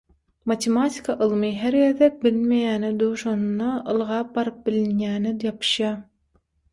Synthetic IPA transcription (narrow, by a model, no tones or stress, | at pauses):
mɑt̪ʰemɑt̪ʰʲi̥kʰɑʔɯlˠmɯɦeɾɡeðek̚bilmejæːned̪owʃonunːɑɯlˠʁɑːp̚bɑɾɯp̚bilinjæːnejɑpʰɯ̥ʃjɑː